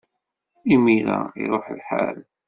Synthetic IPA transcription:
imiɾaḭɾˤoħlħal

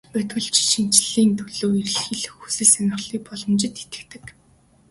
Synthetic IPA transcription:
pæt̪wɘ̆ɮt͡ɕʰi̥ʃĭn̥t͡ɕɮiːnt̪ʰɵɮoːirɘ̆ɮxiɮxusɘ̆ɮsanʲɪ̆χɮiːk̚pɔɮɞ̆mt͡ɕɪ̆t̪et̪ɘ̥̆kt̪ɘ̆k

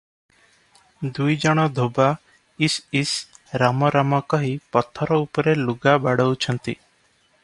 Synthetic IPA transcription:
d̪ujd͡ʒɔɽ̃ɔd̪ʱoba | isisɾamɔɾamɔkɔɦipɔt̪ʰːɔɾɔupɔɾeluɡabaɽɔwt͡ʃʰɔnt̪i

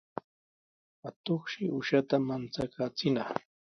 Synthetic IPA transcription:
at̪oχʃɪʊʃat̪amant͡sakʰaːt͡sɪnɑχ

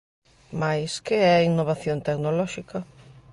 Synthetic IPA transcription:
majskeɛinːoβaθjont̪ɛknolɔʃikɐ

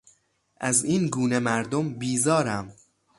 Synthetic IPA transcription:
ʔæziːnɡuːne̞mæɾd̪ombiːzɒːɾæm

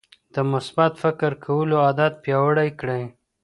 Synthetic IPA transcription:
d̪̥əmʊsbat̪fɪkɪɾkʰawəload̪at̪̚pjɑwəɽajkɽaj

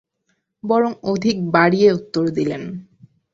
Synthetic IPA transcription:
bɔɾoŋod̪ʱik̚baɽieut̪ːoɾd̪ilen

